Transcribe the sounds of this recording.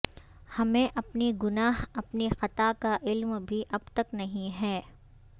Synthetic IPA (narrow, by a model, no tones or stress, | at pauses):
hɐmẽʔɐpniɡʊnaːɦɐpnixɐt̪akaʔɪlmbʱiʔɐb̚t̪ɐknɐɦĩɦɛː